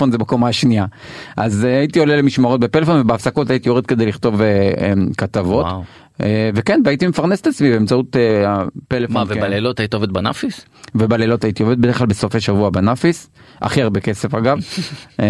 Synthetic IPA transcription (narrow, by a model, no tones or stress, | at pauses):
fo̞nzebakomaʃnia | ʔazeait̪io̞lelemiʃmaʁo̞t̚bepe̞lefo̞nvebeafsako̞t̪ait̪io̞ʁed̪̚ke̞d̪ejliχt̪o̞veemkat̪avo̞t | evekenveait̪ime̞faʁneset̪at͡smibeːmt͡saut̪eapelefoavealelotajitiovd̪̚bana̰fis | vebalelo̞t̪ait̪iove̞d̪̚beχlalbeso̞feʃavuabanafisʔa̰χiaʁbeke̞se̞faɡav